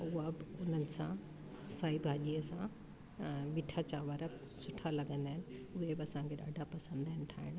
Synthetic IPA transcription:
ʊɦabɪʊn̤ənɪ̆sã̰ | saːibʱaːʄiəsã | miʈʰat͡ɕaːʋəɾə | sʊʈʰalɐɡə̃nd̪aːɦɪnɪ̆ʊɦebɪɐsãŋkʰeɗa̰ːɖʱapɐsə̃nd̪aːɪnɪ̆ʈʰaːɦɪɽ̃

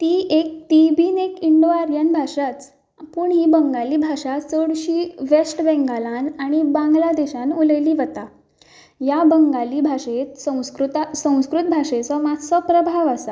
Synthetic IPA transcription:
t̪iːʔek̚ʈ̪ibiːnekiɳɖoaɾjanbʱaʂat͡s | puːɳɦiːbəŋɡaliːbʱaʂat͡səɽɕiːʋesʈbɛ̃ŋɡalanaɽ̃ibãŋɡlad̪eɕanuləjliːʋət̪a | jabəŋɡaliːbʱaʂet̪sə̃kɾut̪sə̃w̃skɾut̪̚bʱaʂet͡sɔmat̪sɔpɾəbʱaʋasa

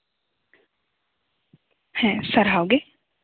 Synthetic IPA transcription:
hɛ̃saɾɦawɡe

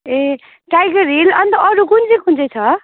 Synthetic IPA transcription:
e | ʈajɡʌɾilʌnt̪ʌʔʌɾukund͡zikund͡zet͡sʰʌ

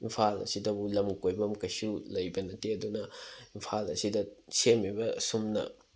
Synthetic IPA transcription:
impʰalɐ̰sidɐbulɐmkojbɐmkɐjsulɐjbɐnɐteɐdunɐimpʰalɐsidɐsemibɐsumnɐ̰

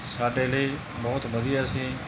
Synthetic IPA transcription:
saːɖeːliː | bɔːt̪bəd̪iːaːsĩː

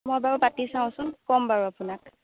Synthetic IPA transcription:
mɔjbaɹupatisãʊ̃sʊnkɔmbaɹuapʊnak

